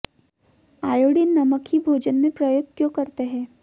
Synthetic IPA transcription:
aːjoːɽinnːɐməkibʱoːd͡ʒənmẽpɾɐjot̪jõkɐɾt̪eɦɛ̃ː

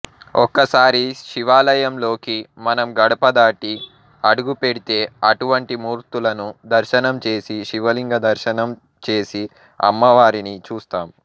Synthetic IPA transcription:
ɔkːɐsaːɾiʃiʋaːlɐjɐmlo̞ːkimɐnɐmɡɐɽɐpɐd̪aːʈi | ɐɽuɡupe̞ɽit̪e̞ːɐʈuʋɐɳʈimuːɾt̪ulɐnud̪ɐɾʃɐnɐmt͡ʃe̞ːsiʃiʋɐliŋɡɐd̪ɐɾʃɐnɐm | t͡ʃe̞ːsi | ɐ̰mːɐʋaːɾinit͡ʃuːst̪aːm

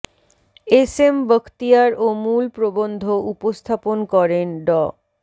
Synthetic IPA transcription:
esembəkʰt̪iaɾomulpɾobond̪ʱoupost̪ʰaponkɔɾenɖɔ

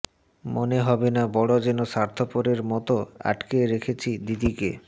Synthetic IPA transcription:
moneɦɔbenabɔɽod͡ʑenosaɾt̪ʰopoɾeɾmɔt̪oa̰ʈkeɾekʰet͡ɕʰid̪id̪ike

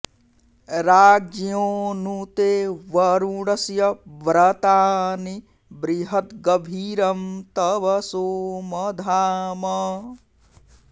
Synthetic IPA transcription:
ɾaːd͡ʒjoːnut̪eːʋɐɾuɽɐsjɐʋɾɐt̪aːni | bɾiɦɐt̪ɡɐbʱiːɾɐmt̪ɐʋɐsoːmɐd̪ʱaːmɐ

